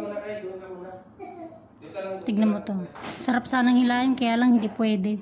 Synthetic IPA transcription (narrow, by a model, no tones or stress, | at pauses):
t̪ɪɡ̚nɐmot̪osɐɾap̚saːnɐŋɪlaːjɪnkɐjaːlɐŋhɪnd̪ipwɛːd̪ɛ